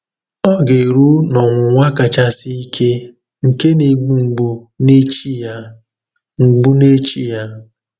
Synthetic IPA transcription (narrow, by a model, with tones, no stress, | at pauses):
ɔ˦ɡe˨ɾu˦nɔ˨ŋʷʊ˨ŋʷa˦ka˨t͡ʃa˦sɪ˦i˦kʰe˦ | ŋ̩˨ke˦ne˨ɡ͡bu˨ŋ͡m̩˨ɡ͡bu˨ | ne˦t͡ʃi˦j | ŋ͡m̩˨ɡ͡bu˦ne˦t͡ʃi˦ja˦